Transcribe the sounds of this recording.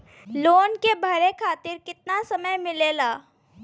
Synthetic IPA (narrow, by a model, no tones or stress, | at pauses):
loːnkebʱɐɾekʰaːt̪ɪɾkɪt̪nasɐməjmɪleːlaː